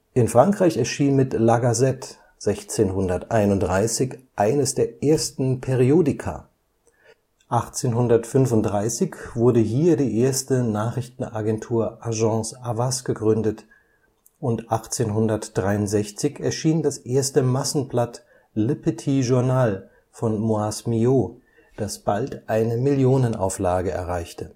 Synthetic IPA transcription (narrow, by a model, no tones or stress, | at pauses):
ʔɪnfʁ̥aŋkʁ̥aɪçɛɐʃiːnmɪtlaɡazɛt | z̥ɛçt͡seːnhʊndɐtʔaɪnʊntd̥ʁaɪsɪçʔaɪnəsd̥eːɐʔeːɐstn̩pʰɛʁioːdɪkʰɐ̰ | ʔaχt͡seːnɦʊndɐtfʏnvʊnt̚d̥ʁaɪsɪçv̥ʊɐdəɦiːɐdiːʔeːɐstənaːχʁ̥ɪçtn̩aɡɛntʰuːɐʔaʒɑ̃ːsavasɡ̥əɡʁʏndət | ʔʊntʔaχt͡seːnɦʊndɐtd̥ʁaɪʊntz̥ɛçt͡sɪçɛɐʃiːndasʔeːɐstəmasn̩blat | lɪpətʰiʒʊɐnaːl | fɔnmoasmio | d̥asb̥altʔaɪnəmɪljoːnənʔa̰ʊflaːɡəɛ̰ɐʁaɪçtʰə